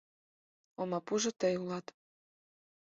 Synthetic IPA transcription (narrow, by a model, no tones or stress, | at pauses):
omɑpuʒŏt̪ə̆julɑt̪